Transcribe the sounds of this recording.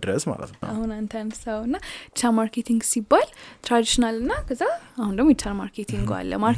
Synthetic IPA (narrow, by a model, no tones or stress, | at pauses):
dɾə̰sma̰lə̰t̪aɦunant̪ʰansawunːat͡ʃʰamaɾket̪ʰiŋɡsibalt̪ʰɾad̪iʃnalɨnːaɡəzaaɦund̪ɐmit͡ʃʰːanmaɾkʰet̪ʰiŋɡoa̰lːə̰maɾ